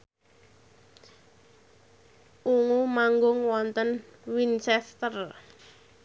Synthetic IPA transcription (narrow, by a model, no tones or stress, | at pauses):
ʔuŋumaŋɡʊŋwɔnt̪ənwint͡ʃɛst̪ər